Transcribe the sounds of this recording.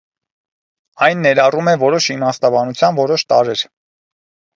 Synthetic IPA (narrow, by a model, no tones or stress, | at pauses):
ɑjnːɛɾɑrumɛvɔɾɔʃimɑst̪ɑbɑnut͡sʰjɑnvɔɾɔʃt̪ɑɾɛɾ